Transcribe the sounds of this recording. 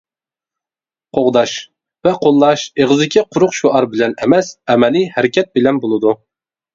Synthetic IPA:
qʰoʁd̪ɑʃ | vɛqʰolˠːɑʃeʁɨzd̪ɪkʲʰiqʰʊɾʊqʃuʔɑɾbɪlɛnɛmɛsɛmɛlɪhæɾɪkʲʰɛt̪̚bɪlɛnbolˠɨd̪u

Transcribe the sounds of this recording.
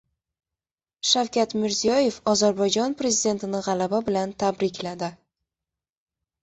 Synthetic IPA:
ʃawkʲʰat̪mɪɾzijɒje̞fɒzaɾbɒjd͡ʒɒnpɾe̞zid̪e̞nt̪ɪnɪʁɑlababɪlant̪ʰabɾɪkʲlad̪ɪ

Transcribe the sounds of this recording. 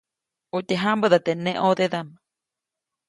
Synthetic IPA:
ut̪eɦãmbəðat̪enẽʔoðeðama

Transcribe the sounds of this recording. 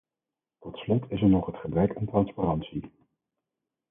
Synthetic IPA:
tɔtslɔtʰɪsɛɹnɔχɦətχəbrɛkantrɑnsparɑnsi

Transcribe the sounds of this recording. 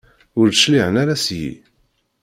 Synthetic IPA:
ʊɾəʃliʕənaɾasjḭ

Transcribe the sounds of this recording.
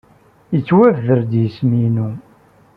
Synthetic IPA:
jət͡sːwævəɾd̪jəsminu

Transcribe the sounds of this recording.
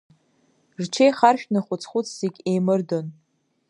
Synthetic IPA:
rt͡ʃʰejχarʃᶣnɨχʷʊt͡sʰχʷʊt͡sʰzeɡʲejmɨrdo̞n

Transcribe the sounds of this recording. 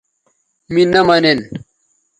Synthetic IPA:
minɐmɐnen

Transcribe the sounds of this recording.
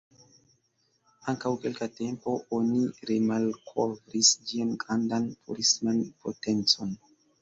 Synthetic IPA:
aŋkawkelkatempo̞ʔoniɾemalkʰovɾisd͡ʒiankandanpʰuɾismanpo̰tent͡so̞n

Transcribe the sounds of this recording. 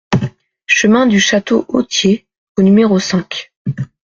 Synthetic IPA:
ʃəmɛ̃d̪yʃat̪oʔot̪je | onymeʁosɛ̃k

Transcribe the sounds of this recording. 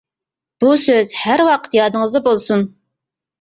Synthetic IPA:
b̥usøzhæɾwɑqʰə̥t̪jɑːd̪ɨŋəzd̪ɑbolˠsun

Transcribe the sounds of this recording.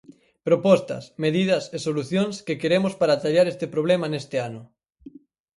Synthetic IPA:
pɾopɔst̪ɐ̰smeð̞ið̞ɐsesoluθjoŋskekeɾemospaɾat̪aʎaɾest̪epɾoβ̞lemanest̪eanʊ

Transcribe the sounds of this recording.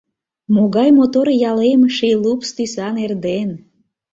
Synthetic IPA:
moɣɑjmot̪oɾjɑlemʃilupst̪ysɑnerd̪en

